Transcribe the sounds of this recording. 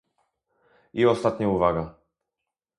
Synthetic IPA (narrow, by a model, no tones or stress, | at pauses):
iɔst̪at̪ɲauvaɡa